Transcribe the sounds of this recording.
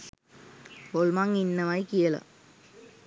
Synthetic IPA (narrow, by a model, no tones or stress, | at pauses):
olmaŋinːɐmaːjkijɐlɐ̰